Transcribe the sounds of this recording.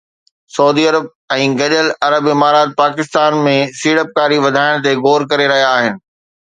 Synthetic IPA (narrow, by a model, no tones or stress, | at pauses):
sɐuːd̪iɐɾəb̚ | ɛ̃ːɡɐɗəlɐɾəbɪmaːɾaːt̪̚paːkɪst̪aːnmẽsiːɽəp̚kaːɾiʋɐd̪ʱaːɪɽ̃t̪̬eɣoːɾkɐɾeɾɐɦijaːɦɪnɪ̆